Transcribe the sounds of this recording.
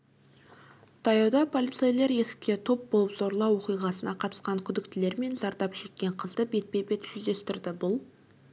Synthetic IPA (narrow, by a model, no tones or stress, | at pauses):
t̪ʰɑjɑwd̪ɑpʰo̞lʲˠit̪sejlˠe̞ɾje̞sɪ̥kʲkʲe̞t̪ʰo̞p̚bo̞lˠəpzo̞ɾlˠɑwo̞qijʁɑsənɑqʰɑt̪ə̥sqɑŋkʲʰʏd̪ɪk̚t̪ɪle̞ɾme̞nzɑɾt̪ɑpʒ̥e̞t̪̚kʲe̞ɴqʰəzd̪əbe̞t̪̚be̞be̞t̪ʒ̥ʏzd̪e̞st̪ɪɾd̪ɪbʊlˠ